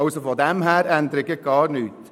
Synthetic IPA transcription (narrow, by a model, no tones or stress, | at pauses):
ɑʊsofɔd̪ɛmɦæːɾænd̪əɾɪɡəɡ̥ɑːɾnyːt̪